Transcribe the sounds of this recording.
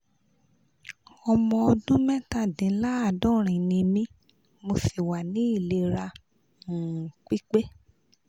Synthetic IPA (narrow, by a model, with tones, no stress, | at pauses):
ɔ˧mɔ̃˧ɔ˧dũ˦mɛ̃˦ta˦˨dĩ˨˦la˦a˦˨dɔ̃˦˨ɾ̃ĩ˨nĩ˧mĩ˧ | mo˧fi˨wa˨nĩ˨˦i˦˨le˧˦ɾa˧ | ũ˨k͡pi˦k͡pe˦